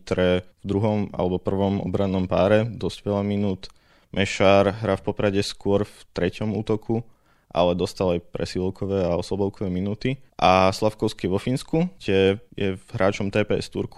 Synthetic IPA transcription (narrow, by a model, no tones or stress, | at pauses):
t̪ɾɛvd̪ɾuɦɔma̰lɛbɔpr̩ʋɔmɔ̰bɾanːɔmpaːɾɛd̪ɔzɟʋɛlaminuːt̪ | mʔɛʃaːɾɦɾafpɔpɾaɟɛskʊɔɾft̪ɾɛcɔmuːt̪ɔkʰu | ʔa̰lɛd̪ɔst̪alajpɾɛ̰silkʰɔʋɛːaɔslɔbɔʊkɔʋɛminuːt̪iʔaslafkɔʊskiɛʋɔfinskut̪ɛjɛvɦɾaːt͡ʃɔmt̪ɛːpɛːɛ̰st̪ṵɾku̥